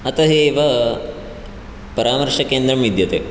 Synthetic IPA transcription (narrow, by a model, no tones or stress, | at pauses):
ɐt̪ɐɦeːʋɐ | pɐɾaːmɐɾʂɐkeːnd̪ɾɐmʋid̪jɐt̪e